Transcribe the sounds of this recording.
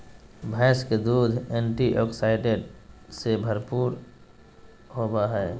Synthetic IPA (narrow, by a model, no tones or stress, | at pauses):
bʱaːsked̪uːd̪ʱɛ̃ːɳʈiʔɔːksaːɪʈeɖsebʱəɾpuːɾ | ɦoːbaɦɛː